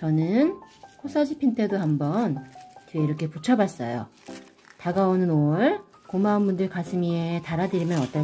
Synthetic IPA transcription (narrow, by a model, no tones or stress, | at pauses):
t͡ɕʌnɯnkʰos͈ʰad͡ʑipʰintʰe̞dohambʌnteiɾʌkʰe̞put͡ɕʰʌbas͈ʌjo̰ | taɡaonɯnoɭ | komaːnbundɯɭkasʰɯmietaɾadɯɾimjʌnʌt͈ʌ